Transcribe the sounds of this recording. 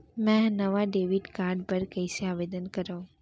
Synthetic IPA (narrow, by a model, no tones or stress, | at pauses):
mɛ̃nəʋaɖeːʋiɖkaːɾɖpəɾkəɪseaʋed̪ənkəɾaũ